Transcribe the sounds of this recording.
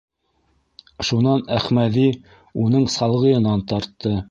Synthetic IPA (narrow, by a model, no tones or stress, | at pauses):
ʃunɑnæχmæði | unɤɴsɑlˠʁɤ̆jɤ̆nɑnt̪ɑɾt̪ːɤ